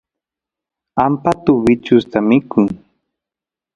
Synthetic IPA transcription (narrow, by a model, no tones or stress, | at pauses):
ampat̪ʊbɪt͡ʃʊst̪amɪkʊŋ